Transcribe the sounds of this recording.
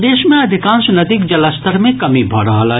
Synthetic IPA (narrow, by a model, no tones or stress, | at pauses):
d̪eːʃmẽɐd̪ʱɪkãːnsnɐd̪iːk̚d͡ʒɐlast̪əɾmẽkɐmibʱɐ̰ɽaɦla